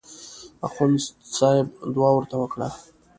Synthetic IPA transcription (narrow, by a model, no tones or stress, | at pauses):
a̰xunssɑjɪbd̪wɑwəɾt̪awəkɽa̰